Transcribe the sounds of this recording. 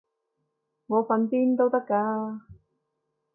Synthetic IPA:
ŋɔː˨˧fɐ˨˧npiː˥nt̪o˥wt̪ɐ˥kːaː˧

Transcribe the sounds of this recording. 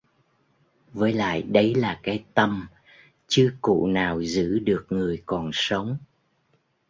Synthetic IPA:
vəː˨˦jla̰ː˧˨jɗə˨˦jlaː˨˩kaː˨˦jt̪ə˧m | t͡ɕɨ˧əkṵ˧˨naː˨˩wzɨ̰˧˥ɗɨ˨˩ək̚ŋɨ˨˩əjkɔ˨˩nsə˨˦wŋ͡m

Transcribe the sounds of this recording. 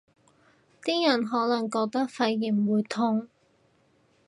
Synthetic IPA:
t̪iː˥jɐ˨˩nɦɔː˨˥lɐ˨˩ŋkɔː˧k̚t̪ɐ˥k̚fɐ˧jːiː˨˩mwuː˨˧jt̪ʰʊ˥˧ŋ

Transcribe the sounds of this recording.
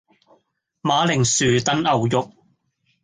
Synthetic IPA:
maː˨˧˥lɪ˨˩ŋsyː˨˩t̪ɐ˨˥nɐ˨wjʊ˨k̚

